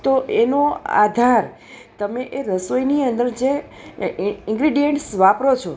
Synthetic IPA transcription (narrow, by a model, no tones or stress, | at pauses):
t̪oʔenoa̰d̪ʱaɾ | t̪əmeʔeɾəsojniənd̪əɾd͡ʒe | ɪ̃ŋɡɾiɖijeɳʈsʋapɾot͡ʃʰo